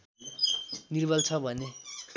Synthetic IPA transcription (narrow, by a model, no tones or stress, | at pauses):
nirbʱʌlt͡sʰʌbʱʌne